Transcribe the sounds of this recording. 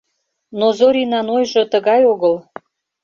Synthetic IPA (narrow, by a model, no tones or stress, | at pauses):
nozoɾinɑnojʒə̆t̪əɣɑjoɣəl